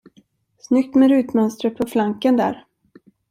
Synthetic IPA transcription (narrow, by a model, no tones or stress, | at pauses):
snʏk̚t̪mɛɾʉ̟ːt̪mœnst̪ɾət̪̚pʰɔflaŋkənd̪æ̰ːɾ